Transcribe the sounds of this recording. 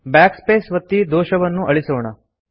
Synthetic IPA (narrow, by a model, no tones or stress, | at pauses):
bækspesʋət̪ːiːd̪oɕəʋənːũːʔəɭisəʋɳa